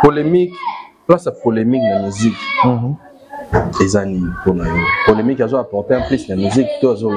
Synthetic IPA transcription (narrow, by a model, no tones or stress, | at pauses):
polemikplasapolemiknamizik | ezaniponajɔpolemikazoapɔʁteãplisnamiziktoazol